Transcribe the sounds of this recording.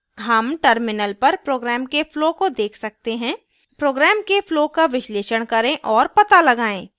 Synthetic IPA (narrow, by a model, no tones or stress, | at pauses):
ɦɐmʈəɾmɪnəlpɐɾpɾoːɡɾɛːmkefloːkod̪eːkʰsɐk̚t̪eɦɛ̃ | pɾoːɡɾɛːmkefloːkaʋɪʃleːʃəɽ̃kɐɾẽʔɔːɾpɐt̪alɐɡaːẽː